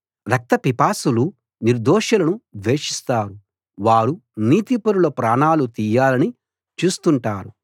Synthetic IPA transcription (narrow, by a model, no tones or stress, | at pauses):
ɾɐk̚t̪ɐpipaːsulu | niɾd̪ɔːʂɐlɐnuʋe̞ːʂist̪aːɾu | ʋaːɾuniːt̪ipɐɾulɐpɾaːɳaːlut̪iːjaːlɐni | t͡ʃuːst̪uɳʈaːɾu